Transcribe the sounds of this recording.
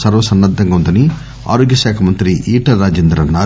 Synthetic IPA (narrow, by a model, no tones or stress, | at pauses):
sɐɾʋɐsɐnːɐd̪ʱːɐŋɡɐund̪ɐni | a̰ːɾoːɡjɐʃaːkʰɐmɐnt̪ɾiʔiːʈɐɾːaːd͡ʒeːnd̪ɾɐnaː